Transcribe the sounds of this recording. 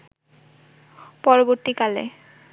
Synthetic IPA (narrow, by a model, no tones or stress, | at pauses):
pɔɹɔboɹt̪ikalɛ̰